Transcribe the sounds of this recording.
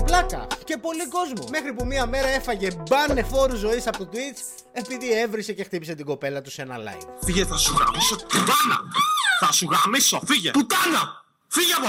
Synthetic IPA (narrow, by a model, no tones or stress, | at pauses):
plɐkɐ̰ce̞po̞liko̞zmume̞xɾipumiɐme̞ɾɐe̞fɐʝe̞bɐne̞fo̞ɾuzo̞isɐpot̪uit͡s | e̞piðie̞vɾise̞cext̪ipise̞t̪iɡo̞pe̞lɐt̪usenɐ̰lɐ̰jvfiʝeθɐsuɣɐ̰misoput̪ɐnɐ̰θɐsuɣɾɐmiso̞fiʝeput̪ɐnɐ | fiʝɐvo